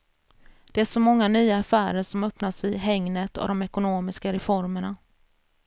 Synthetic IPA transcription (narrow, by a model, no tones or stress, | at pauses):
d̪̥ɛæʂɔmɔŋːanyːaːfæːɾəʂɔmœpnaʂɪɦɛŋnət̪ɔ̰d̪ɔmɛkʊnoːmɪskaɾɛfɔɾməɳa